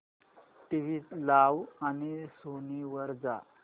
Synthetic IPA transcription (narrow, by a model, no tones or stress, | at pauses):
ʈiʋiːlaʋanisoniʋəɾd͡za̰